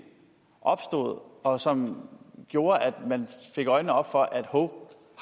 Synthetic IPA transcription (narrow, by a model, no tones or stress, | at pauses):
ʔɒ̽b̥sd̥o̝ð̞̩̰ˠɒ̽sɒ̽mɡ̥jo̝ːɐʔæd̥mænfe̝ɡ̥ɒ̽ɪnəɒ̽b̥fɒ̽ʔæd̥ho